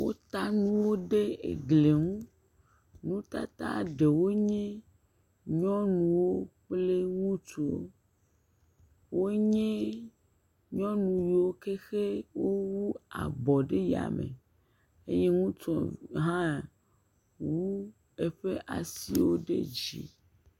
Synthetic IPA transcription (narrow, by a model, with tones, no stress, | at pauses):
wo˦t̪a˦nũ˦wo˦ɖe˦ḛ˨ɡle˨ŋũ˦ | nũ˦t̪a˦t̪a̰˦ɖe˨wo˦ɲẽ˦ | ɲɔ̃˦nũ˨wo˦k͡ple˦ŋũ˦t͡ʃu˨wo̰˦ | wo˦ɲẽ˦ | ɲɔ̃˦nũ˨ji˨wo˦ke˦xe˦wo˦wu˦a̰˨bɔ˨ɖe˦ja̰˨mḛ˨ | ḛ˦je˦ŋũ˦tɔ̃˨ɦã˦ | wu˦ | e˦ɸe˦ʔa˨si˦wo̰˦ɖḛ˦d͡ʑḭ˨